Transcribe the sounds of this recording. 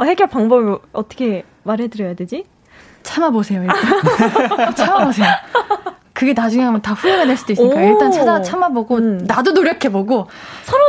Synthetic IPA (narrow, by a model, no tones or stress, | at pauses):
heɡjʌɭp͈aŋbʌbɾoʌt͈ʌ̥kʰe̞ | maɾɦedɯɾjʌjaded͡ʑi | t͡ɕʰamabosʰe̞joiɭ͈a | t͡ɕʰamabosʰe̞jo | kɯɡe̞nad͡ʑuŋeɦambʌntaɸuoneneɭs͈udoisɯikajoiɭt͈ant͡ɕʰad͡ʑat͡ɕʰamaboɡonadonoɾjʌkʰe̞boɡo | sʰʌɾo